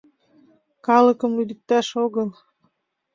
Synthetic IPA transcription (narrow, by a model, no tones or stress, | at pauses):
kɑlə̆kə̆mlyd̪ə̆k̚t̪æʃoɣəlˠ